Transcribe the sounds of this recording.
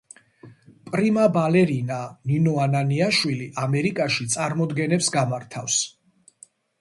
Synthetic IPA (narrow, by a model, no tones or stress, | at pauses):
pʼɾimabalɛɾinaninɔananiaʃwiliʔamɛɾikʼaʃit̪sʼaɾmɔd̪ɡɛnɛpsɡamaɾt̪ʰafs